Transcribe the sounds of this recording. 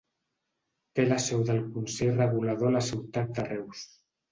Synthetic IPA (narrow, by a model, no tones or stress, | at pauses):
t̪elasɛwðəlkunsejrəɣulaðolasiwt̪at̪̚d̪arɛws